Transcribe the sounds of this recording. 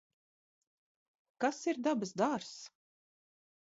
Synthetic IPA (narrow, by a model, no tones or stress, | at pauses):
kasiɾd̪abasd̪aɾs